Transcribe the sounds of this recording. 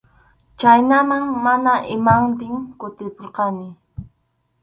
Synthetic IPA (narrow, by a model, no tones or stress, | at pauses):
t͡ʃajnamaŋmanaʔɪmant̪ɪŋkʊt̪ɪpoɾqɑnɪ